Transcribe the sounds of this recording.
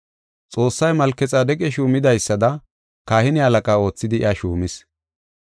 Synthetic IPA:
t͡sʼo̞ːsːɐjmɐlkɛt͡sʼaːd̪ɛkʼɛʃuːmɪd̪ɐjsːɐd̪ɐ | kaːhɪnɪɐlɐkʼaːo̞ːt͡sːɪd̪ɪɪ̰ɐʃuːmɪs

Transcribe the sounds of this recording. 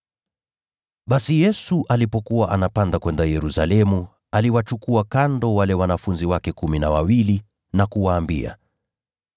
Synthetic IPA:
ɓasijɛsuʔalipɔkuwaʔanapandakwɛndajɛɾusalɛmu | aliwat͡ʃukuakandɔwalɛwanafunziwakɛkuminawawili | nakuwaːmbḭa̰

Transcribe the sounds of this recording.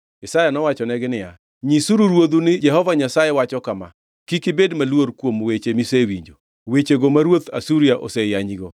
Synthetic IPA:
ɛsajanɔwat͡ʃɔnɛɡɪnɪja̰ | ɲisuɾuɾwod̪unɪd͡ʒɛɦɔvaɲasajewat͡ʃɔkama̰ | kikɪbedmalwoɾkwomwet͡ʃemisewiɲd͡ʒo | wet͡ʃeɡomaɾwot̪asuɾiaʔɔsɛjaɲiɡɔ

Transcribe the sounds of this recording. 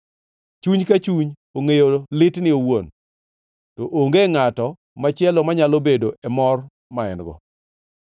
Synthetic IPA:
t͡ʃuɲkat͡ʃuɲ | oŋejolɪtnɪowon | toʔoŋɡeŋatɔ | mat͡ʃɪɛlɔmaɲalobedoʔɛmɔr | maɛnɡɔ̰

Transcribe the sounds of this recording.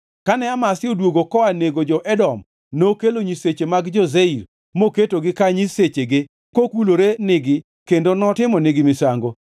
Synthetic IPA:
kanɛamasɪodwoɡokɔaneɡod͡ʒɔʔɛdɔm | nokeloɲiset͡ʃemaɡd͡ʒɔzeiɾ | moketoɡɪkaɲiset͡ʃeɡɪ | kokuloɾenɪɡɪ | kendonɔtɪmɔnɪɡɪmɪsaŋɡo

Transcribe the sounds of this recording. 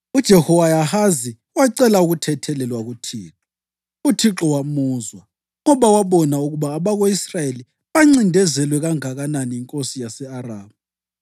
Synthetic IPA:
ud̥ʒ̥ʱɛhɔwajahazi | waǀɛlauɣutʰɛtʰɛlɛlwaɣutʰḭːǁɔ | utʰiǁɔwamuːzwa | ŋɔβawaβɔnauɣuβaːβaɣoisrajeli | βaŋ͡ǀindʱɛzɛlwɛɣaŋaɣananiiŋkʼosijasɛaraːβu

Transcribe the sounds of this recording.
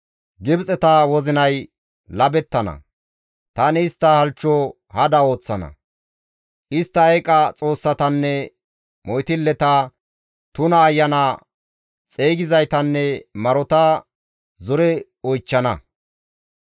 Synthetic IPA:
ɡɪbt͡sʼɛt̪ɐwɔzɪnɐj | lɐbɛt̪ːɐnɐ̰ | t̪ɐnɪːst̪ːɐhɐlt͡ʃːɔ | hɐd̪ɐo̞ːt͡sːɐnɐ̰ | ʔɪst̪ːɐjkʼɐt͡sʼo̞ːsːɐt̪ɐnːɛ | mɔjt̪ɪlːɛt̪ɐ | t̪ʊnɐːjːɐnɐ | t͡sʼeːɡɪzɐjt̪ɐnːɛmɐɾɔt̪ɐ | zɔɾɛ | ɔjt͡ʃːɐnɐ

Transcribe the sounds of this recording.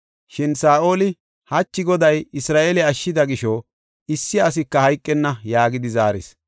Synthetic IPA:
ʃɪnsaːʔo̞ːlɪ | hɐt͡ʃːɪɡɔd̪ɐjɪsɾaːʔeːlɛɐʃːɪd̪ɐɡɪʃɔ | ɪsːɪɐs̬ɪkːɐhɐjkʼːɛnːɐjaːɡɪd̪ɪzaːɾɪ̰s

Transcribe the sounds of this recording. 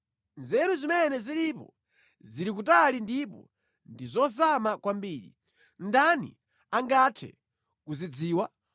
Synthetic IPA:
nzɛɾuzimɛnɛziɾipɔ̰ | ziɾik̬utalindipɔ̰ | ndizɔzamakwambiːɾḭ | ndanḭ | aŋɡatʰɛ̰ | kuzid͡ziːwa

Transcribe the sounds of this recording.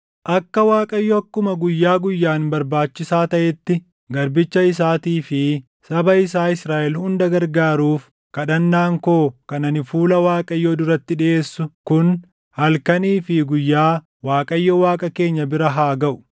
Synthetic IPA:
ʔɐkːɐwaːkʼɐjːɔɐkːʊmɐɡʊjːaːɡʊjːaːnbɐɾbaːt͡ʃːɪsaːt̪ɐʔɛt̪ːɪ | ɡɐɾbɪt͡ʃːɐɪs̬aːt̪iːfɪ | sɐbɐɪsaːɪsɾaːʔɛlhʊnd̪ɐɡɐɾɡaːɾuːf | kɐɗɐnːaːŋkoːkɐnɐnɪfuːlɐwaːkʼɐjːɔd̪ʊɾɐt̪ːɪᶑɪʔe̞ːsːʊkʊn | hɐlkɐniːfɪɡʊjːaː | waːkʼɐjːɔwaːkʼɐke̞ːɲːɐbɪɾɐɦaːɡɐʔʊ̥

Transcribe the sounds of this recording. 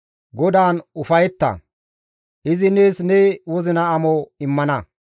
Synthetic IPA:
ɡɔd̪aːnʊfɐjɛt̪ːɐ̰ | ʔɪzɪneːsnewɔzɪnɐːmɔɪmːɐnɐ

